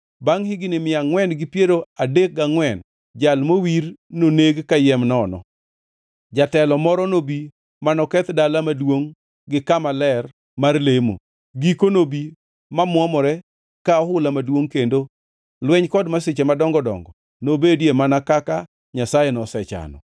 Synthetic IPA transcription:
baŋhɪɡɪnɪmɪaŋwɛnɡɪpjeɾoadek̚ɡaŋwɛn | d͡ʒalmowiɾnoneɡkajɛmnɔnɔ̰ | d͡ʒatɛlɔmɔɾɔnobi | manɔkɛt̪dalamadwoŋ | ɡɪkamalɛr | marlemo̰ | ɡikonobi | mamwɔmɔɾɛ | kaɔhʊlamadwoŋkendo | lwɛɲkɔdmaset͡ʃemadɔŋɡɔdɔ̰ŋɡɔ | nobedjemanakaka | ɲasajɛnɔsɛt͡ʃa̰nɔ̰

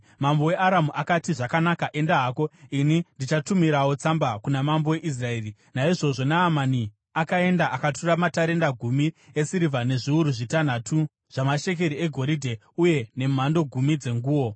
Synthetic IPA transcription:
mambo̞we̞ʔaɾamuʔakatiʐakanakaʔe̞ndaɦako̞inindit͡ʃatumiɾawo̞t͡sambakunamambo̞we̞ʔis̬rae̞ːri | naiʐo̞ʐo̞naːmani | akae̞ndaʔakaturamataɾe̞ndaɡʱumiesiɾivane̞ʐiuɾuʐitan̤atʰu | ʐ̥amaʃe̞k̬e̞ɾie̞ɡʱo̞ɾidʱe̞ | uje̞ne̞m̤ando̞ɡʱumid͡ze̞ŋɡuːwo̞

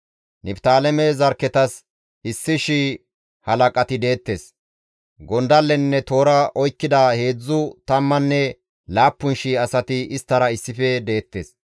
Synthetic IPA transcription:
nɪpt̪aːlɛmɛzɐɾkɛt̪ɐs | ɪsːɪʃi | hɐlɐkʼɐt̪ɪd̪e̞ːt̪ːeːs | ɡɔnd̪ɐlːɛnːɛt̪o̞ːɾɐʔɔjkːɪd̪ahe̞ːd͡zːʊt̪ɐmːɐnːɛ | laːpːʊnʃiɐsɐt̪ɪɪst̪ːɐɾɐɪsːɪfɛd̪e̞ːt̪ːeːs

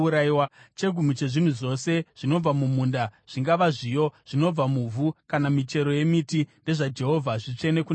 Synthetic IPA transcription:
uɾaiwat͡ʃe̞ɡʱum̤ut͡ʃe̞ʐin̤uʐo̞se̞ʐ̥ino̞b͡vamumundaʐ̥iŋɡaʋaʐijo̞ʐ̥ino̞b͡vamuvʱukanamit͡ʃe̞ɾo̞je̞mitinde̞ʐad͡ʒe̞ɦo̞vʱaʐit͡ʂene̞ku

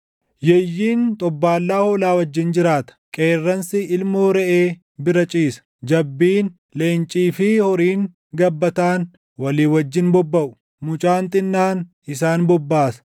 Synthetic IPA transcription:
jɛjːiːnt̪ʼɔbːaːlːaːhoːlaːwɐd͡ʒːɪnd͡ʒɪɾaːt̪ɐ̥kʼeːrːɐnsɪʔɪlmoːɾɛʔeː | bɪɾɐt͡ʃʼiːsɐ̥d͡ʒɐbːiːn | le̞ːnt͡ʃʼiːfɪhɔɾiːŋ | ɡɐbːɐt̪aːn | wɐliːwɐd͡ʒːɪnbɔbːɐʔʊ̥ | mʊt͡ʃʼaːnt̪ʼɪnːaːnʔɪsaːnbɔbːaːsɐ̥

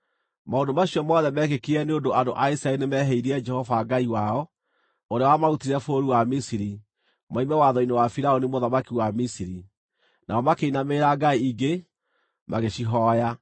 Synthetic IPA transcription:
maondomaɕijɔmɔðɛmɛːkekiɛneondoandoʔaisɾaɛɾinemɛɦɛiɾiɛd͡ʒɛhɔvaɡaiwaɔ | oɾeawamautiɾɛfoːɾiwamisiɾi | maimɛwaðɔinewafiɾaonimoðamakiwamisiɾi | na̰ɔmakeinameːɾaɡaiiɡe | maɣeɕiɦɔːja

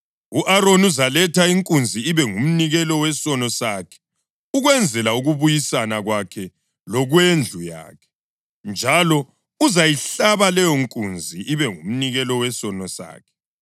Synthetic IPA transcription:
uʔaɾonuzalɛtaiŋkʼund͡zʱiːβɛŋum̩niɣɛlɔwɛsɔnɔsakʰɛ̥ | uɣwɛnd͡zʱɛlauɣuβujisanaɣwakʰɛ | lɔɣwend͡ɮʱuja̰ːkʰɛ̥ | nd͡ʒʱalɔ | uzajiɬaβalɛjɔŋkʼund͡zʱiiβɛŋum̩niɣɛlɔwɛsɔnɔsa̰ːkʰɛ̥

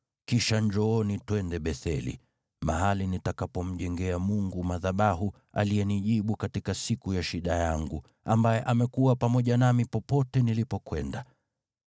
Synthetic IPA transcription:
kiʃand͡ʒɔɔnitwɛndɛɓɛθɛlḭ | maɦalinitakapɔm̩ʄɛŋɡɛamuŋɡumaðaɓaɦu | a̰lijɛniʄiɓukatikasikujaʃiɗajaŋɡu | ambajɛʔamɛkuapamɔʄanamipɔpɔtɛnilipɔkwɛnda

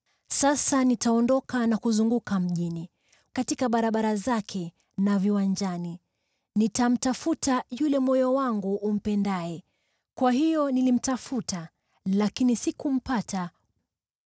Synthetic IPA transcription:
sasanitaɔndɔkanakuzuŋɡukam̩ʄini | katikaɓaɾaɓaɾazakʰɛ | naviwaɲd͡ʒani | nitam̩tafutajulɛmɔjɔwaŋɡuʔːm̩pɛndaɛ | kwahijɔnilim̩tafuta | lakinisikum̩pata

